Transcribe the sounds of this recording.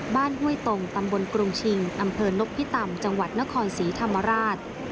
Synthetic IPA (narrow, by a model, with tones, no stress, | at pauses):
baː˥˩nɦu˥˩əjt̪o˧ŋt̪a˧mbo˧nkɾu˧mt͡ɕʰi˧ŋʔa˧mpʰɤː˧no˦˥k̚pʰi˦˥t̪a˧mt͡ɕa˧ŋwa˨˩t̪̚na˦˥kʰɔː˧nsiː˩˦t̪ʰa˧mːa˧ɾaː˥˩t̪̚